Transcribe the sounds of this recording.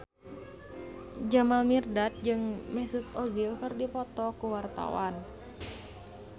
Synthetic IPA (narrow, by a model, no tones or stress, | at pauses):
d͡ʒamalmirdat̪̚d͡ʒɨŋmɛsut̪ɔzilkɨrdipɔt̪ɔkuwart̪a̰wa̰n